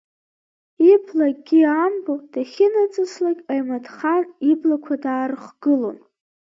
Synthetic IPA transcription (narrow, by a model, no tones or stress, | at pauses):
ipʰlaɡ̚ɡʲiambod̥aχʲɪnat͡sʼɨslaɡʲajmadχaniblakʷʰadaːrχɡ̥ɨlo̞̰n